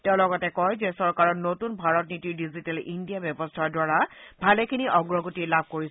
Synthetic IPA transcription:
tɛʊ̃lɔɡɔtɛkɔjzɛsɔɹkaɹɔnotunbʱaɹɔtnitiɹdizitɛlindijabjɔbɔstʰaɹdwaɹabʱalɛkʰiniʔɔɡɹɔɡotilab̚ʱkoɹis

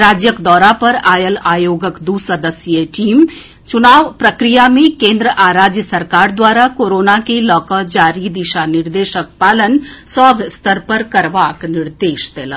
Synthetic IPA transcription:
ɾaːd͡ʒjəkd̪ɔːɾapɐɾaːjəlaːjoːɡəkd̪uːsəd̪əsjəʈiːm | t͡ʃʊnaːʋpɾɐkɾijamẽkẽːnd̪ɾəʔaːɾaːd͡ʒjəsɐɾkaːɾd̪waːɾakoːɾoːnakelɔːkad͡ʒaːɾid̪ɪʃanɪɾd̪eːʃək̚paːlənsɔːbʱst̪əɾpɐɾkɐɾʋaːknɪɾd̪eːʃd̪eːla

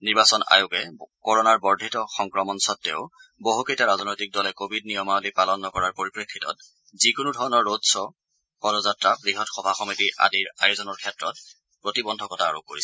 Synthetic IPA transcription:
niɹbasɔna̰jʊkɛkɔɹɔnaɹbɔɹdʱitɔxɔŋkɹɔmɔnsɔtːɛ̰ʊboɦukejtaɹazɔnojtik̚dɔlɛkobʱid̚nijɔmaolipalɔnːɔkɔɹaɹpoɹipɹekʰitɔ̰t | zikunudʱɔɹɔnɔɹːodsɔ | pɔɾɔzatɹabbɹiɦɔtxɔbʱaxɔmitiʔa̰diɹajʊzɔnɔɹkʰɛtɹɔt̚ | pɹotibɔndʱɔkɔtʰaːɹṵkːo̰ɹisɛ

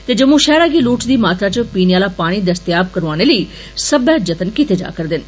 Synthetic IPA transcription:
t̪eːd͡ʒəmũːʃɛːɾaːɡiːluːʈd̪iːmaːt̪aːt͡ʃpiːnːaːlaːpaːɽ̃iːd̪əst̪ɪjaːb̚kəɾʋaːɽ̃eːləiː | səbaːd͡ʒət̪ənkit̪eːd͡ʒa̰ːkəɾd̪ɪn

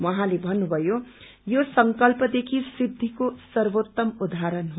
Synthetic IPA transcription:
wʌɦãlebʱʌnːubʱʌjo | josʌŋkʌlpʌd̪ekʰisid̪ʱːikosʌrwot̪ːʌmud̪ʱaɾʌnɦ

